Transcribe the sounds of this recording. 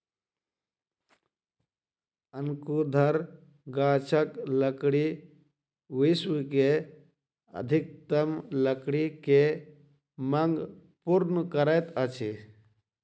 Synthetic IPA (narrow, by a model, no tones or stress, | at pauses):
ənkud̪ʱɐɾ | ɡaːt͡ʃʰəkləkɽi | ʋiswke | ə̰d̪ʱik̚t̪əmləkɽike | mɐŋɡ | puɾnəkəɾəjt̪ət͡ʃʰi